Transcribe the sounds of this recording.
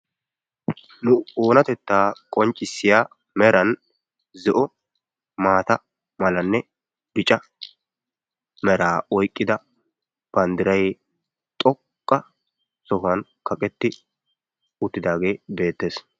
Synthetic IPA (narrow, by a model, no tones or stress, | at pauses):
nʊoːnɐt̪ɛt̪ːaːkʼɔnt͡ʃʼːɪsːɪjaː | mɛɾɐn | zɛʔɔ | maːt̪ɐ | mɐlɐnːɛ | bɪt͡ʃʼɐ | mɛɾaːɔjkʼːɪd̪ɐ | b̥ɐnd̪ɪɾɐj | t̪ʼɔkʼːɐ | sɔhʊɐnkɐkʼɛt̪ːɪ | ʊt̪ːɪd̪aːɡe̞ːbe̞ːt̪ːe̞ːs